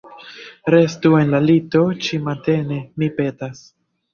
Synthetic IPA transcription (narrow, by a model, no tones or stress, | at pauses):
ɾe̞stue̞nlalito̞t͡ʃimante̞ne̞mipe̞tas